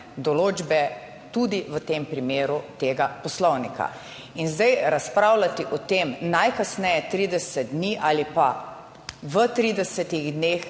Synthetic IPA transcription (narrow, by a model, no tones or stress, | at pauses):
d̪ɔloːd͡ʒbɛ | t̪ud̪iʋət̪empɾimeːɾut̪eːɡapɔslɔwnikʰa̰ | inzd̪ajɾaspɾaːwlat̪iʔɔt̪eːmnajkasnɛjɛt̪ɾiːd̪ɛsɛd̪̚d̪niːʔaːlipa | ʋət̪ɾiːd̪ɛsɛt̪iɣd̪neːx